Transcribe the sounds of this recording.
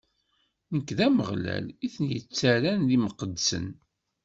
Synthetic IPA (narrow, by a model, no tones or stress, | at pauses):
nəkːðæməʁlæ̰liθənjət͡sːæɾænðiməqəd̪sə̰n